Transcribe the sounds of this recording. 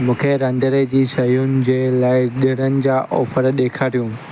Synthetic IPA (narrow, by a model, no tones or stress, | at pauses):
mũːkʰeɾɐ̃nd̪əɾed͡ʑiːʃɐjʊnɪ̆d͡ʑeːlaːɪɗɪɾənɪ̆d͡ʑaʔɔ̰ːfəɾɗeːkʰaːɾijũ